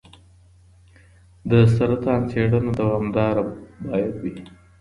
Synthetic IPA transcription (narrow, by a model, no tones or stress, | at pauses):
d̪əsaɾat̪ɑːnt͡seɽanad̪awɑmd̪ɑːɾabɑːjad̪wi